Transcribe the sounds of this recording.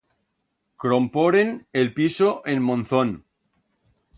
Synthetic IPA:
kɾompoɾenelpisoʔenmõnθon

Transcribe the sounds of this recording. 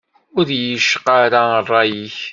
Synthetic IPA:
ʊðjəʃqaɾarˤːɑjiç

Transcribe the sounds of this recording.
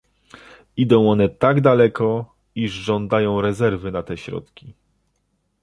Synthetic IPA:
id̪ɔ̃w̃ɔnɛt̪aɡd̪alɛkɔ | iʐʐɔnd̪ajɔ̃w̃ɾɛzɛɾvɘnat̪ɛɕɾɔ̰t̪kʲi

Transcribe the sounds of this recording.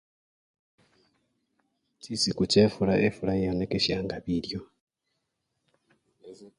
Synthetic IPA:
t͡ʃisikut͡ʃefulaʔefulaanekeʃjaːŋɡaβiljo

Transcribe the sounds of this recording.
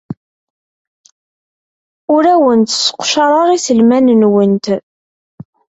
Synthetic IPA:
ʊɾæwənt̪sːə̥qʷːʃɑɾˤɑɾˤisəlmænənwənt̪

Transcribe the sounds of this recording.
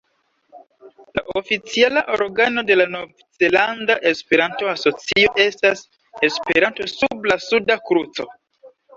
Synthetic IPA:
la̰ʔofit͡sialaʔo̞ɾɡano̞de̞lanovze̞landaʔe̞spe̞ɾanto̞aso̞t͡sio̞ʔe̞stas | e̞speɾanto̞sublasudakɾut͡so̞̰

